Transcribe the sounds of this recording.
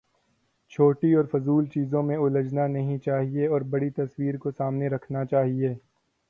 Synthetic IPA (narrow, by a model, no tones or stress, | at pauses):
t͡ʃʰoːʈiɔːɾfʊzuːlt͡ʃiːzõmẽʊləd͡ʒnanɐɦĩt͡ʃaːɦieɔːɾbɐɽit̪ɐswiːɾkosaːmneɾɐkʰnat͡ʃaːɦieː